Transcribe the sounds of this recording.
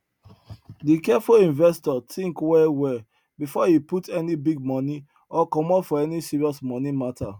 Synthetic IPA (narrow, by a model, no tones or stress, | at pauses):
dikɛfuĩnvɛstɔtʰĩŋkwɛwɛ | bifɔiputɛnibiɡ̚mɔ̃ni | ɔkɔ̃mɔfɔɛnisiɹiɔsmɔ̃nimatʰa